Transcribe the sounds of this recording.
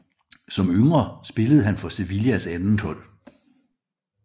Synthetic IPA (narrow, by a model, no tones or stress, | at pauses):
sɒ̽møŋʁɐsb̥e̝ləð̞̩ˠɦænfɒ̽se̝ʋiliæsænn̩t͡sʰɔ̽l̰